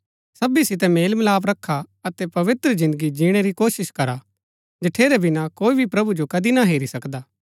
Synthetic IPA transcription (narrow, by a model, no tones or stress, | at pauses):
sɐbisɪt̪̬ɛmeːlməlaːp̬ɾɐkʰːaɐt̪ɛpɐʋɪt̪ɾəzɪ̃nd̪əɡid͡ʒiːɽ̃eɾikoːsɪʃkɐɾa | d͡ʒɐʈʰeːɾɛbʱinakoːibʱipɾɐbud͡ʒokɐd̪inaɦeːɾisɐkd̪aː